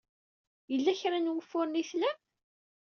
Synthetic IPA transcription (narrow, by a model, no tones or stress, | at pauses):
jəlːæçɾanwəfːʊɾniθlæm